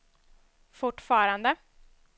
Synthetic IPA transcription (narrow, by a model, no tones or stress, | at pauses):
fʊʈːfɑːɾand̪ə